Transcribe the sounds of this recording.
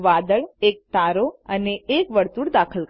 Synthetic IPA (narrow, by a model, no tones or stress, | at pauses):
ʋad̪əɭek̚t̪aɾoəneekʋəɾt̪uɽd̪akʰəl